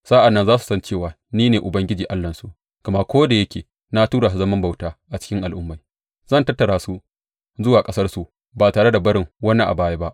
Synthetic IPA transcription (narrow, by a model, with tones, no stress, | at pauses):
sa˦ʔa˨nːɐ˦nzaː˦su̥˨sɐ˦nt͡ʃeː˦˨waː˨ | niː˦neː˨ʔʊ˨bɐ˦ŋɡʲɪ˦d͡ʒiː˨ʔa˦lːɐ˨nsu˨ | kɐ˨ma˦kʷoː˦da˨jɐ˦kʲʰeː˨ | na˦tuː˦ɽaː˨s̬u˨zɐ˦mɐ˦mba˨wtaː˦ʔa˨t͡ʃɪ̥˦kʲɪ˦ŋʔa˨lʔʊ˦mːa˨j | zɐ˦˨ntɐ˦tːɐ˨ɽaː˨su˦ | zʊ˦waː˨kʼɐ˦sɐ˦rsu˨ | baː˨taː˨ɽe˦da˨bɐ˦ɽɪ˨ŋwɐ˦na˦˨ʔa̰˨baː˦jaː˦ba˦ʔ